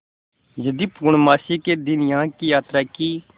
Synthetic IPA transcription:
jəd̪iːpuːɳmaːsiːkeːd̪ɪnjãːkijaːt̪ɾaːkiː

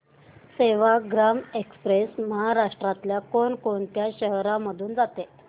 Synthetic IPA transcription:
seʋaɡɾamekspɾesməɦaɾaʂʈɾat̪ljakoɳkoɳt̪jaɕəɦɾãməd̪ʱuːnd͡zat̪e

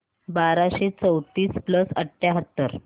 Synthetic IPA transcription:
baɾaɕet͡səwt̪iːspləsəʈʰːjaɦət̪ːəɾ

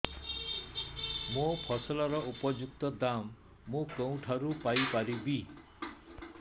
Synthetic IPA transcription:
mopʰɔsɔlɔɾɔʔupɔd͡ʒuk̚t̪ɔd̪amː | ũkew̃ʈʰaɾupajpaɾibi

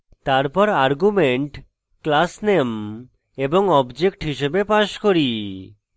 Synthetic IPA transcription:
t̪aɾpɔɾaɾɡumeɳʈ | klasnem | eboŋɔbd͡ʑek̚ʈɦiʃebepaʃkoɾi

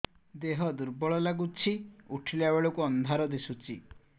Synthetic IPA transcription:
d̪eɦɔd̪uɾbɔɭɔlaɡut͡ʃʰiuʈʰilaweɭɔkuɔnd̪ʱaɾɔd̪esut͡ʃʰi

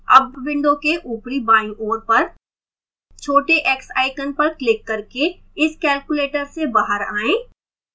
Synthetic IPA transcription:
ɐ̰bːɪ̃ɳɖõkeʔuːpɾibaːɪ̃ʔoːɾpɐɾ | t͡ʃʰoːʈeʔeːksa̰ːɪkənpɐɾklɪkːɐɾke | ɪskɛːlkʊleːʈəɾsebaːɦəɾaːẽː

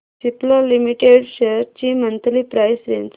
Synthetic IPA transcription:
siplɔlimiʈeɽɕeɾt͡ɕimənt̪liːpɾajsɾent͡s

